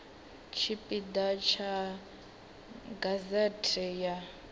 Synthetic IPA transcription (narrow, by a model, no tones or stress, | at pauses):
t͡ʃʰipʼid̪at͡ʃʰa | ɡazɛtʰɛja